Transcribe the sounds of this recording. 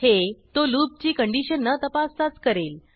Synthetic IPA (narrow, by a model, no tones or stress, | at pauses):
het̪oluːp̚t͡ɕiːkəɳɖiɕənːət̪əpast͡sat͡skəɾel